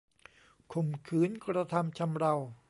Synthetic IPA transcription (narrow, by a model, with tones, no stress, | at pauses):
kʰo˧˩mkʰɯː˦˥nkɾa˧t̪ʰa˧mt͡ɕʰa˧mɾa˧w